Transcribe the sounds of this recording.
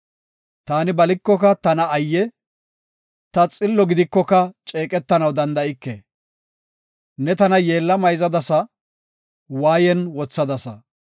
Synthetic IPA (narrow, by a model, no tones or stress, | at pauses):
t̪aːnɪbɐlɪkːɔkɐt̪ɐnɐːjːɛ | t̪ɐt͡sʼɪlːɔɡɪd̪ɪkːɔkɐt͡ʃʼeːkʼɛt̪ːɐnɐwd̪ɐnd̪ɐɪkːɛ̰ | nɛt̪ɐnɐjeːlːɐmɐjzɐd̪ɐsɐ | waːjɛnwɔt͡sːɐd̪ɐsɐ̰